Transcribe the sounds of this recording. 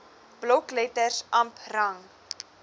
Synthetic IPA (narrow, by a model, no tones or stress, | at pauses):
b̥loklɛtərsʔɐmprɐŋ